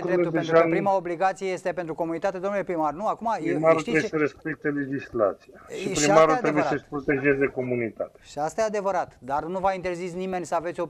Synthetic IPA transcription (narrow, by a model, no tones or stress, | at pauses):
ɾed̪enʒapɾimaobliɡat̪sijejest̪e̞pe̞nt̪ɾuko̞munit̪at̪e̞d̪o̞mnule̞pɾimarnuakumaimaɾulɾejesəɾespek̚t̪ele̞d͡ʒisla̰t̪sijaʃipɾɾimaɾuulɾebujesəʃpɾot̪e̞ʒe̞zeko̞munit̪a̰t̪eʃiast̪ajead̪e̞vəɾat̪d̪arnuvaint̪e̞rzisnime̞nʲsəavesʲo̞